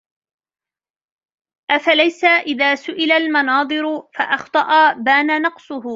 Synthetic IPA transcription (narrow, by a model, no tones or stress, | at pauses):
ʔafalajsaʔɪðaːsʊʔɪlalmɑnɑːd̪ˤɨɾʊfaʔɑxt̪ˤɑʔɑbaːnanɑqsˤʊhʊ